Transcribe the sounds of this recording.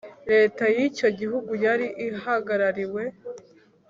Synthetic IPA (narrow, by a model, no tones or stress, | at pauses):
ɾe̞ːtajico̞ɟiɦuɡujaɾiʔihaɡaɾaɾiwe̞